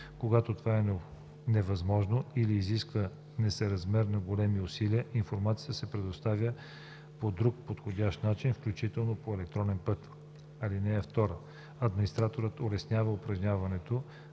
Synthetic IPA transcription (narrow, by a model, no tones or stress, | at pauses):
koɡat̪ot̪ovaɛn | nɛvɐzmɔʒnoiliːziskvə | nɛsɛɾɐzmɛɾnɐɡolɛmiʊsiliəʔinfoɾmat̪sijəsɛpɾɛd̪ost̪avʲjə | pod̪ɾuk̚pot̪xodʲaʃt̪nat͡ʃinfklʲut͡ʃit̪ɛlˠnopoɛlɛk̚t̪ɾɔnɛnpɤt̪ | ɐlinɛɛft̪ɔɾə | ɐd̪minist̪ɾat̪oɾət̪olɛsnʲavəʊpɾɐʒnʲavɐnɛt̪o